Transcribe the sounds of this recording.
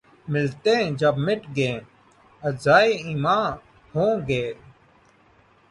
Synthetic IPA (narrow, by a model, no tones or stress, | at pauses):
mɪlt̪ẽːd͡ʒɐbmɪʈɡẽː | ɐzaːiimãː | hõːɡeːl